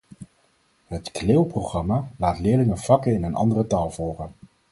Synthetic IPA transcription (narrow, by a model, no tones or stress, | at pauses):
ɦətkleːwproχrɑmaːlaːtlɪːɹlɪŋəv̥ɑkəɪnənʔɑ̰ndərətaːlˠvɔlˠχən